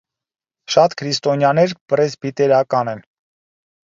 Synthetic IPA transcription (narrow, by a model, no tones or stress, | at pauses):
ʃɑt̪kʰɾist̪ɔnjɑnɛɾpɾɛzbit̪ɛɾɑkɑnɛn